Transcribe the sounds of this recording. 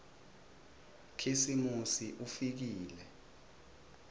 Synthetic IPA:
kʰisimusiʔufik̬iːlɛ

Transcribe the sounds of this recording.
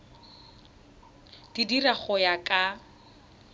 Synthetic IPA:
d̥idiraχʊjakʼa

